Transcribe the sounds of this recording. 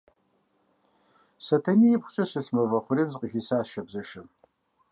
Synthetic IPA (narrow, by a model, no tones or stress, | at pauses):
sɐtʰɐniːjɪpχʷʊ̥t͡ʃʼɐsɨɬmɐvɐχʷʊɾiːmzqʼixiːsaːʃɐbzɐʃɐm